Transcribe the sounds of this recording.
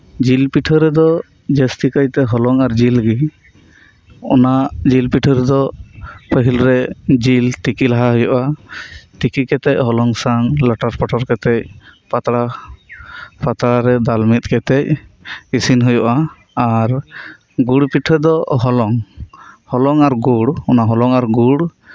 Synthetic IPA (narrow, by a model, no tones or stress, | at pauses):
d͡ʒilpiʈʰəɾɛd̪ɔ | d͡ʒɛst̪ikəjt̪ɛɦɔlɔŋaɾd͡ʒilɡi | ɔ̰naʔd͡ʒilpiʈʰəɾɛd̪ɔpʰəɦilɾɛd͡ʒilt̪ikilaɦaɦujɔʔa | t̪ikikɛt̪ɛc̚ɦɔlɔŋsaŋləʈaɾpɔʈʰɔɾkɛt̪ɛc̚pat̪ɽa | pat̪ɾaɾɛd̪almit̪̚ˀkɛt̪ɛc̚isinɦujɔʔa | aɾ | ɡuɽpiʈʰəd̪ɔɦɔlɔŋ | hɔlɔŋaɾɡuɽɔnaɦɔlɔŋaɾɡuɽ